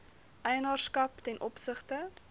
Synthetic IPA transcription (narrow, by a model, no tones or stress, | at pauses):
ʔɛjənɑːrskɐptɛnʔɔpsəχtə